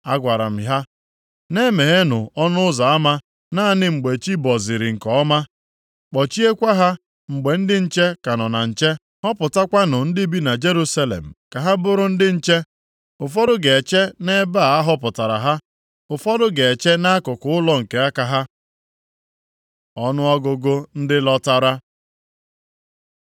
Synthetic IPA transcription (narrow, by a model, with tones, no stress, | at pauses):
a̰˦ɡʷa˨ɾa̰˨m̩˨ɦa˦ | ne˦me˨ɦe˦nʊ˨ɔ˦nʊ˦ʊ˦za˨a˦ma˦ | na˦a˦nɪ˦ŋ͡m̩˨ɡ͡be˨t͡ʃi˦bɔ˨zɪ˨ɾɪ˨ŋ̩˨kɔ˦ɔ˦ma˦ | k͡pɔ˨t͡ʃi˦e˦kʷa˦ɦa˦ | ŋ͡m̩˨ɡ͡be˨n̩˦dɪ˦n̩˨t͡ʃe˦ka˨nɔ˨na̰˨n̩˨t͡ʃe˦ | hɔ˦pʊ˨ta˦kʷa˦nʊ˨n̩˦dɪ˦bi˦na˨d͡ʒe˦ɾu˦sa˦lḛ˨m̩˨ka˨ɦa˦bʊ˦ɾʊ˦n̩˦dɪ˦n̩˦t͡ʃe˦ | ʊ˨fɔ˦dʊ˦ɡe˨t͡ʃe˦ne˦ba˦˨a˦ɦɔ˦pʊ˨ta˨ɾa̰˨ɦa˦ | ʊ˨fɔ˦dʊ˦ɡe˨e˨t͡ʃe˦na˦kʊ˨kʊ˦ʊ˦lɔ˦ŋ̩˨ke˨a˦ka˨ɦa˦ | ɔ˦nʊ˦ɔ˦ɡʊ˨ɡʊ˦n̩˦dɪ˦lɔ˦ta˦ɾa˦